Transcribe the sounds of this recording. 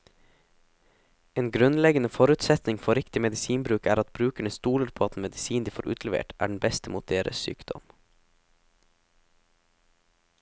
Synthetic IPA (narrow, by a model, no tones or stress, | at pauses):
eːnɡɾʉnlɛɡənəfɔɾʉːt̪sɛt̪nɪŋfɔɾɪkt̪ɪmɛd̪ɪsiːnbɾʉːkæːɾɑt̪̚bɾʉːkæɳəst̪uːləɾpʰoːɑt̪nmɛd̪ɪsiːnd̪iːfoːɾʔʉ̰ːt̪ʰlɛʋḛːʈʔæ̰ːɖɳ̩bɛst̪əmuːt̪̚d̪eːɾʔə̰ssy̰ːkd̪̥ɔ̰m